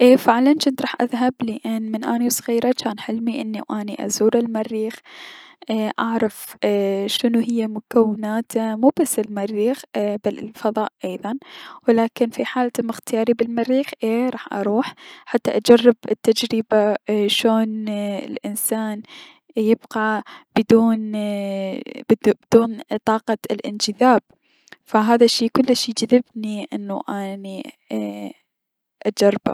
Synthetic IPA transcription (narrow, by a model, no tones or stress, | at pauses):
ʔeːfaʕlant͡ʃɪnt̪ɾˤɑːħʔa̰ðɦablɪʔanːmɪnʔaːniwsˤɣiːɾˤat͡ʃaːnħɪlmiʔɪnːiwʔaːniʔa̰zuːɾɪlmarːiːxʔaʔaʕɾˤɑf | ʃɪnuɦɪjːamʊkawːɪnaːt̪ʰamuːbasːɪlmarːiːxbalɪ̰lfɑðˤɑːʔʔɑjðˤɑnwɪlaːkɪnfiħaːlt̪mɪxt̪ɪjɑːɾibɪlmarːiːxʔeːɾˤɑːħʔɑ̰ɾˤuːħħat̪ːaʔad͡ʒɑrˤːɪbɪt̪ːad͡ʒɾɪbaʃoːnɪ̰lʔɪnsaːn | jɪbqɑbɪd̪uːn | bd̪̥uːnt̪ˤɑːqɑlʔɪ̰nd͡ʒɪðaːb̚ | faɦaːðaʃːiːkʊlːʃiːd͡ʒaðɪbniʔɪ̰nːṵʔani | ʔad͡ʒɑrˤːba̰